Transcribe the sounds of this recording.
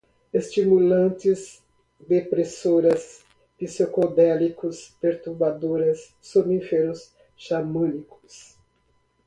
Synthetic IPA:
est͡ʃimulɐ̃nt̪ɪz | d̪epɾesoɾɐs | pisokod̪ɛlikʊspeɾt̪uɾbad̪oɾɐsː | omĩfeɾʊs | ʃamɐ̃nikʊ̥s

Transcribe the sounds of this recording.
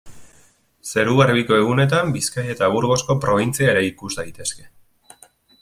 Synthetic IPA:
se̞ɾuɣaɾβiko̞e̞ɣ̞une̞t̪̬ambiskaje̞t̪aβuɾɣ̞o̞sko̞pɾo̞β̞int͡siaeɾe̞ikuzd̪ajt̪e̞ske̞̥

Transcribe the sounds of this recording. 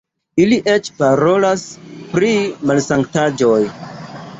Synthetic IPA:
iliʔet͡ʃpaɾo̞laspɾimalsaŋktad͡ʒoj

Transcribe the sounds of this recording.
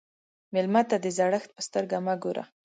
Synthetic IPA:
mɪlmat̪ad̪əzaɽəxt̪̚pəst̪əɾɡamaɡoɾʔa̰

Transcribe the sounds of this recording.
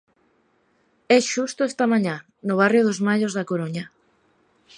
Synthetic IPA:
ɛʃust̪oʊɛst̪ɐmaɲã | nʊβ̞arjoðozmaʎozðakoɾoɲɐ

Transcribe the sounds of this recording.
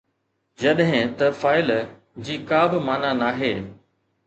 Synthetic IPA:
d͡ʑɐɗɦɪ̃t̪ɐfaːɪl | d͡ʑiːkaːbɪmaːnanaːɦeː

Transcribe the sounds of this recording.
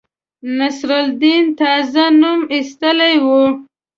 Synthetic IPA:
nasɾald̪int̪ɑzanumist̪əlajwu

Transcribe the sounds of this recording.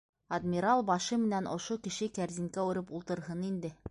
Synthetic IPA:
ɐd̪mʲiɾalˠbɑʃɤmɘ̆nænʔŏ̰ʃokɘ̆ʃɘkæɾziŋkæʉɾɘpulˠt̪ɤ̆ɾɦɤnind̪ɘ

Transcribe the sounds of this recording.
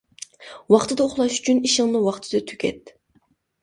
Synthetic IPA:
wɑχt̪ʰɨd̪ɑoχlˠɑʃy̥t͡ʃʰyniʃɪŋnɨwɑχt̪ʰɨ̥d̪ɨt̪ʰy̥kʲʰɛ̰t̪

